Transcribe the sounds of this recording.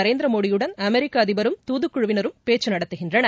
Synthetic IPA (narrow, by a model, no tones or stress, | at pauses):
ɐɾeːnd̪ɾɐmoːɽɪjɯɽɐnɐmɛɾɪkːaːɐðɪbɐɾɯmt̪uːðɯkːʊɻɯʋɪnɐɾɯmpeːt͡ʃːɯnɐɽɐt̪ːɯɣɪndrɐnɐ